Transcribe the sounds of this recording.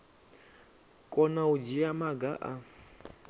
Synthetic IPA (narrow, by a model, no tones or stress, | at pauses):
kʼɔnaud͡ʒiamaɡaʔa